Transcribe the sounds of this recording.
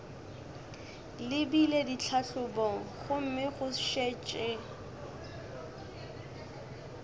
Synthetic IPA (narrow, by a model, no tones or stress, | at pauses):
lɪbiledit͡ɬʰaɬʊbɔŋ̩χʊm̩mɪχʊʃet͡ʃʼɪ